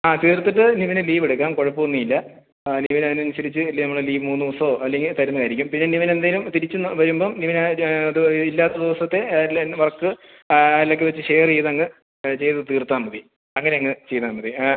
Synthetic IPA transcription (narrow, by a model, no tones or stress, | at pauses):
aːt̪iːrt̪ːiʈ̬ːɨniʋɐnɨliːʋeɽukːaːmko̞ɻɐpːoonːiilːɐ | niiʋinɐðinɐnɕɐɾit͡ɕːɨlːinɐmːuɭɐliːʋmuːnːɨd̪iʋɐsɐoːʔɐlːe̞ŋɡilt̪ɐɾunːɐkaːjiɾikʲːumpinːeniʋɐne̞nd̪aːjilumt̪iɾit͡ɕːunːʋɐɾumboːniʋɐn | ilːaːt̪ːɐd̪iʋɐsɐt̪ːe̞lʋɐrɐkːɨ | lːɐk̬ːɨʋɐt͡ɕːɨɕeːjrt͡ɕejðɐŋːɨ | t͡ɕe̞jt̪ɐðɨt̪iːrt̪ːaːmːɐði | ɐŋːɐne̞ɐŋːɨt͡ɕe̞jt̪aːmːɐði